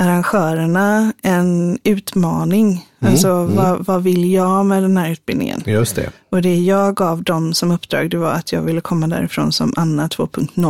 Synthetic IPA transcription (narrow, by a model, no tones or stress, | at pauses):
aɾanɧœːɾəɳaɛnʉ̟ːt̪mɑːnɪŋalsɔvɑvɑvɪlːjɑɡmɛd̪ɛnhæːɾʉ̟ːt̪̚bɪlnɪ̰ŋə̰njɵsɛ̰ | ɔd̪ɛjɑːɡɑːvd̪ɔmsɔmɵpːd̪ɾɑ̰ːɡd̪ɛva̰ɾat̪ʰjɑ̰ːɡvɪlːəkʰɔmːad̪æ̰ːɾɪfɾo̰ːnsɔ̰mʔanːat̪ʰv̥o̰ːpʰɵŋkt̪nɔl